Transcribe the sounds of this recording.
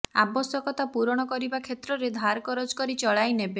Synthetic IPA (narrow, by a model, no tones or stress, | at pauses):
abɔsɔkɔt̪apuɾɔɽ̃ɔkɔɾibakʰet̪ɾɔɾed̪ʱaɾkɔɾɔd͡ʒkɔɾit͡ʃɔɭajnebe